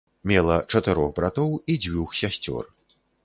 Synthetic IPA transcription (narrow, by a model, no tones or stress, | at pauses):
mʲɛlˠɐt͡ʂɐt̪ɨɾɔxbɾat̪ɔwid͡zʲvʲuxsʲasʲt͡sʲɔ̰r